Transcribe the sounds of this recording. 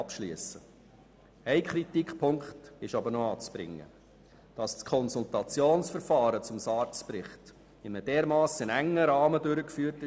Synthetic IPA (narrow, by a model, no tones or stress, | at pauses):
ɑpʃliəsə | æɪkχɾitikχpʰʊŋkχtɪʃɑbəɾnɔɑːt͡sb̥ɾɪ̰ŋːə̰ | d̥ɑsskʰɔnsultɑt͡sjoːnsfəɾfɑːɾət͡sʊmsɑːɾt͡spɾɪχt | ɪnəd̥ɛːɾmɑːsɪnæŋːəɾɑːmədøɾəkfyːəɾtɪ